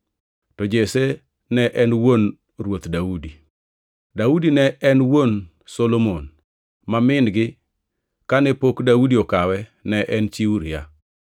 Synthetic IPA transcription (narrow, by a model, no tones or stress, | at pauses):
tɔd͡ʒese | nɛʔɛnwon | rwot̪daudi | daudinɛʔɛnwon | solomon | mamɪnɡɪ | kanɛpokdaudiokawɛnɛʔɛnt͡ʃiuɾija